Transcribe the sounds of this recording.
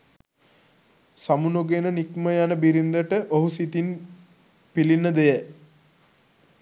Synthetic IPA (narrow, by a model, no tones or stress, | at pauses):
samunuɡenənikməjanəbiɾind̪əʈəʔoɦusit̪in | pilinːəd̪ejə